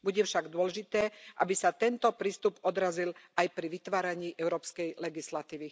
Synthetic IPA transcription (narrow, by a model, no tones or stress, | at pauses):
buɟɛfʃaɡd̪ʊɔlɛʒit̪ɛːʔa̰bisat̪ɛnt̪ɔpɾiːst̪upɔd̪ɾazilʔajpɾiʋit̪ʋaːɾaɲiːʔɛʊɾɔːpskɛjlɛɡislat̪iːʋi